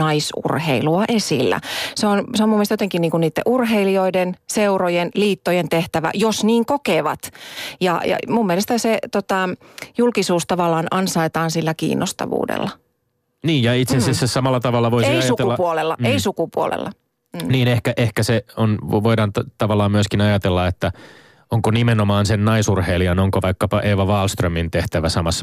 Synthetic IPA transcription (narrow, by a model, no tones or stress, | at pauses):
ɑisṵrhḛiluɑʔesḭlːæ̰seonseomumːiest̪jot̪eŋkiniːŋkunniːt̪ːḛʔurɦeilioidenseurojenliːt̪ːojent̪eht̪æʋæ̰josniːŋkokeːʋɑ̰t̪jɑ̰jɑ̰mumːielest̪æset̪ot̪ɑjulkisuːst̪ɑʋɑlːˑɑːnɑnsɑit̪ɑːnsilːækḭːnːo̰st̪ɑ̰ʋṵːdḛlːɑ | niːjjɑit̪sesesːæssɑmɑlːɑt̪ɑʋɑlːɑʋoisiniɑjsuk̪teulːɑpuolelːɑeisukupuo̰lḛlːɑ̰ | niːnehkæʔehkæseonʋoidɑnt̪t̪ɑʋɑlːˑɑːmmyøskinɑjɑt̪elːɑet̪ːæ | oŋkonimenomɑːnsennɑisurheːliɑnoŋkoʋɑikːɑpɑʔeːʋɑʋɑːlst̪rømint̪eht̪æʋæsɑmɑsː